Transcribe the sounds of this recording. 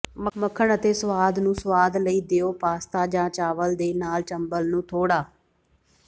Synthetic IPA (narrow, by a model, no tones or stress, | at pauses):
məməkʰəɳət̪eːsʋaːd̪nũːsəʋaːd̪ləiːd̪eːoːpaːst̪aːd͡ʒãːt͡ʃaːʋəld̪eːnaːlt͡ʃəmbəlnũːt̪ʰoːɽaː